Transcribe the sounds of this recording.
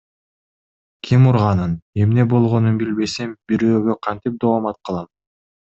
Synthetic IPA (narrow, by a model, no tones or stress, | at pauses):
kʲʰimuɾʁɑnɯne̞mne̞bo̞lˠʁo̞nunbilbe̞sembiɾøːɡø̞qʰɑnt̪ip̚d̪oːmɑt̪̚qʰɯlˠɑm